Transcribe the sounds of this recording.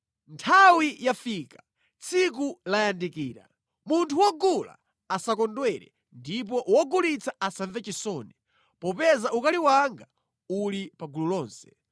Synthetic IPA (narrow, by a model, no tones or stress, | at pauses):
ntʰawijafiːkḁ | t͡sʰik̬ulajandikiːɾa̰ | muntʰuwɔɡula̰ | asakɔndwɛɾɛ̰ | ndip̬ɔwɔɡulit͡sʰaʔasaɱvɛt͡ʃisɔːnɛ | pɔpɛzaʔukaliwaŋɡa | ulipaɡululɔːnsɛ̥